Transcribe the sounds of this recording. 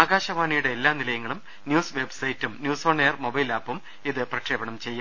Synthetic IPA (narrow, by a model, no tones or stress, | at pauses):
aːɡaːɕɐʋaːɳijuɽe̞ːlːaːnilɐjɐŋːɐɭum | njuːsʋe̞bsɐjtːumnjuːsoːɳːejɐrmobɐjlaːpːum | iðɨprɐkʂeːbɐɳɐmt͡ɕe̞jːaː